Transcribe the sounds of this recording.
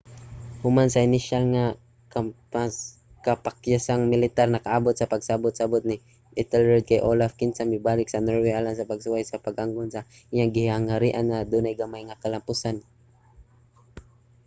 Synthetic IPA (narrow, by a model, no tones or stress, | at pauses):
hʊmansaɪnɪʃalŋa | kapa | kapakjasaŋmɪlɪt̪arnakaʔabʊt̪̚sapaɡsabʊt̪̚sabʊt̪̚ni | ʔɪt̪ɛlɛd̪̚kajʔolafkɪnsamɪbaːlɪksanɛɹweʔalansapaɡsʊajsapaɡaŋɡʊnsa | ɪjaŋɡɪhaŋhaɾiʔanŋad̪unajɡamajŋakalampʊsan